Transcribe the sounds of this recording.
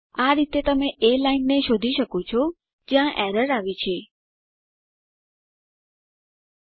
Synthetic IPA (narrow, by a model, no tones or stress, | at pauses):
aɾit̪et̪əmeʔelainːeʃod̪ʱiʃəkot͡ʃʰɔ | d͡ʒjãʔɛɾəɾaʋit͡ʃʰe